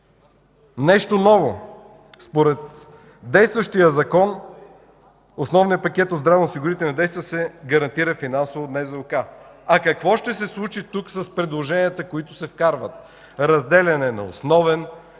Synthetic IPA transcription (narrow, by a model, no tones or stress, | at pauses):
nɛʃt̪onɔvo | spoɾɛt̪ | d̪ɛjst̪vəʃt̪ijəzɐkɔn | osnɔvnijəpɐkʲɛt̪od̪zd̪ɾavnsiɡʊɾit̪ɛinɐd̪ɛjst̪vəsɛɡɐɾɐnt̪iɾəfinansovod̪nɛzɐʊkaɐkɐkvɔʃt̪ɛsɛslˠut͡ʃit̪uksɐspɾɛd̪lˠoʒɛniət̪əkoit̪ʊsɛfkaɾvət̪̚ | ɾɐzd̪ɛlʲɐnɛnɐ̰o̰snɔvɛn